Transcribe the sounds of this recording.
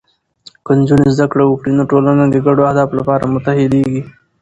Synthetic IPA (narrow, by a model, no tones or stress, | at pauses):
kənd͡ʒunezd̪akɽawəkɽinoʈolanad̪eɡaɖoahd̪ɑflapɑɾamʊt̪ahɪd̪eɡi